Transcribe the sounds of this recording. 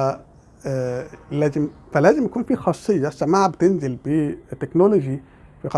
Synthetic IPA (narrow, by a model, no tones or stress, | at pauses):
læːzem | fælæːzɪmjækuːnfiːxɑsˤːejːɑsːæmaːʕabet̪enzelbit̪ːeknoloʒi | fiqɑ